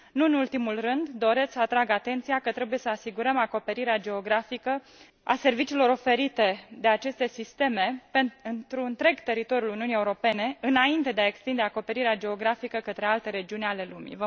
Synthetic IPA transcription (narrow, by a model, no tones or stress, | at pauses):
nuɨnult̪imulrɨnd̪d̪o̞ɾe̞t̪sʲsəat̪ɾaɡat̪e̞nt̪sijakət̪ɾe̞buje̞səasiɡuɾəmako̞pe̞ɾiɾead͡ʒe̞o̞ɡɾafikə | a̰se̞rvit͡ʃiːlo̞ɾo̞fe̞ɾit̪e̞d̪e̞at͡ʃe̞st̪e̞sist̪e̞me̞penɨnt̪ɾuɨnt̪ɾe̞ɡt̪e̞ɾit̪o̞ɾjuluniunie̞uɾo̞pe̞ne̞ɨnaint̪e̞d̪eae̞kst̪ind̪eako̞pe̞ɾiɾead͡ʒe̞o̞ɡɾafikəkət̪ɾealt̪e̞ɾe̞d͡ʒiunʲale̞lumḭvə